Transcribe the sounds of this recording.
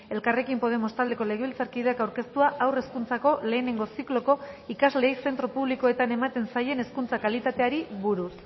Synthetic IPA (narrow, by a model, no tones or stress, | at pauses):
e̞lkare̞kimpo̞ð̞e̞mo̞st̪ald̪e̞ko̞leɣeβilt͡saɾkiðeakawɾke̞st̪uaʔawre̞skunt͡sako̞le̞ːne̞ŋɡo̞siklo̞ko̞ikazle̞ːjse̞nt̪ɾo̞puβ̞liko̞e̞t̪ane̞mat̪e̞nsaje̞ne̞skunt͡sakalit̪at̪e̞aɾiβuɾus